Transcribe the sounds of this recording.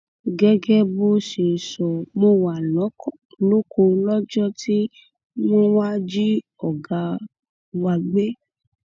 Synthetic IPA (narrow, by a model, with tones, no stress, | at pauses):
ɡɛ˦ɡɛ˦bo˦ʃe˨sɔ˨mo˦wa˨lɔ̃˨˦kɔ˦˨ | lo˦ko˧lɔ˦d͡ʒɔ˦tʰi˦ | mõ˦wa˦d͡ʒi˦ | ɔ˨ɡa˧ | wa˧˨ɡ͡be˦